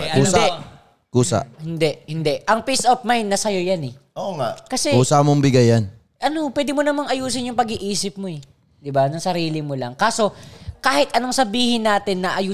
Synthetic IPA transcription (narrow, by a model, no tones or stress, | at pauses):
uː | kuːsa̰hɪnd̪ɛʔhɪnd̪ɛʔɐŋpisʔof̚majnːɐsɐjojanɛʔoŋaʔkɐsɛkuːsamoŋbɪɡɐjan | ʔɐno̞pwɛːd̪ɪmonɐmaŋɐjuːs̬ɪnjʊŋpɐɡɪʔiːsɪp̚moɛ | d̪ɪbanɐŋsɐɾiːlɪmolɐŋkaːso̞kaːhɪt̪ʔɐnoŋsɐbiːhɪnːaːt̪ɪnːɐʔɐjuː